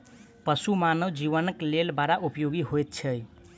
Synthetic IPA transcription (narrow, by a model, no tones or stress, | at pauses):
pəsumanəwd͡ʒiʋənəklelbaɾaʔupjoɡiɦojt̪̚t͡ʃʰəj